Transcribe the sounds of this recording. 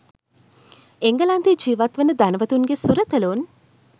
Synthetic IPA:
eŋɡəland̪ed͡ʒiːʋat̪ʋənəd̪anəʋət̪unɡesuɾət̪əlun

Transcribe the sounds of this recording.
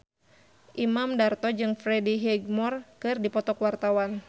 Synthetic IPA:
ʔimamdart̪ɔd͡ʒɨŋfɾɛdiɦɛɡmɔrkɨrdipɔt̪ɔkwart̪awan

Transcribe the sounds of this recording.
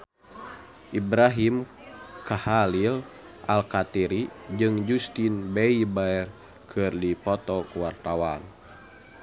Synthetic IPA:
ʔibɾaɦim | kahalil | ʔalkat̪iɾid͡ʒɨŋd͡ʒust̪inbeibaɛr | kʰɨrdipɔt̪ɔkuwart̪awan

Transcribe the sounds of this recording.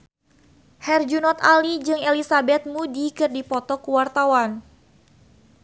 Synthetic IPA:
hɛrd͡ʒunɔt̪alid͡ʒɨŋelisabɛt̪̚mudikɨrdipɔt̪ɔkuwart̪awan

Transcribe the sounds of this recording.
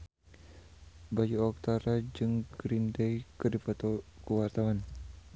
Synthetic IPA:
bajuɔk̚t̪aɾad͡ʒɨŋɡɾindejkədifat̪kəwart̪awan

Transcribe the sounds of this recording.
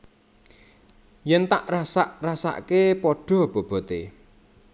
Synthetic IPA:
jɛnt̪aʔrasa̰ʔrasa̰ʔkepɔɖ̥ɔ̤b̥ɔ̤b̥ɔ̤t̪e

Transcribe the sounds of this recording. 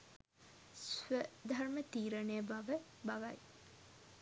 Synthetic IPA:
sʋəd̪ʱarmət̪iːɾəneəbaʋəbaʋaj

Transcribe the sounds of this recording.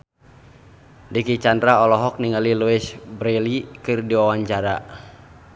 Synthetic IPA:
dikit͡ʃandɾaɔlɔɦɔk̚niŋaliluɛsbɾɛlikɨrdiwawaɲt͡ʃaɾa

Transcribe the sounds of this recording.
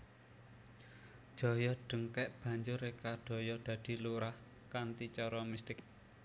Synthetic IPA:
d̥ʒ̥ɔ̤jɔɖ̥ə̤ŋkɛʔb̥ä̤ɲd͡ʒʊɾekaɖ̥ɔ̤jɔd̪̥ä̤d̪̥i̤luɾah | kant̪it͡ʃɔɾɔmist̪ɪk̚

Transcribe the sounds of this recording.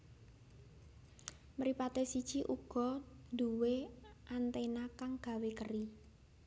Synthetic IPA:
məɾipat̪esid̥t͡ʃiʔuɡ̥ɔ̤d̪uweʔant̪enakaŋɡ̥a̤wekəri

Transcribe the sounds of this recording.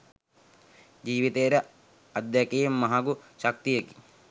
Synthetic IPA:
d͡ʒiːʋit̪eːɾɐ | ɐd̪jakejemːɐɦaɡuʃɐk̚t̪ijeki̥

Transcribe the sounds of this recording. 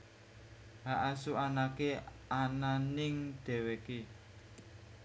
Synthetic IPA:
ɦaʔasuanakeʔananɪŋɖ̪̥ɛ̤weke

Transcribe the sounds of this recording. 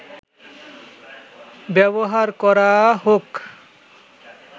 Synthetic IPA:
bɛboɦaɾkɔɾaɦok

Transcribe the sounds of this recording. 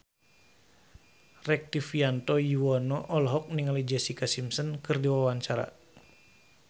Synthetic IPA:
rɛk̚t̪ifiant̪ɔjiwɔnɔʔɔlɦɔk̚niŋalid͡ʒɛsikasimsənkɨrdiwawaɲt͡ʃaɾa̰

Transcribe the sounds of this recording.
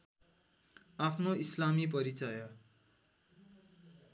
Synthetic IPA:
apʰnoislamip̬ʌɾit͡sʌjʌ

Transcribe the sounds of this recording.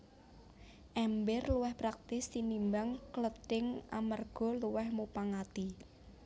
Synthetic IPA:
ʔɛmbɪrluwɛhpɾak̚t̪ɪsːinimbaŋklətɪŋʔa̰marɡ̥ɔ̤luwɛhmupaŋat̪i

